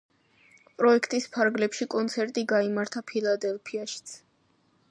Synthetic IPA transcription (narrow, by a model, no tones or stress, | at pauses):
pʼɾɔɛkʰt̪ʼispʰaɾɡlɛpʃikʼɔnt̪sʰɛɾt̪ʼiɡaimaɾt̪ʰapʰilˠad̪ɛlˠpʰiaʃi̥t̪sʰ